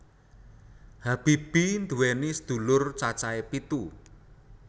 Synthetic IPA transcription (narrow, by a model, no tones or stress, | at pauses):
hab̥i̤b̥ind̪ṳwɛnisəd̪̥ṳlʊrt͡ʃat͡ʃaepit̪u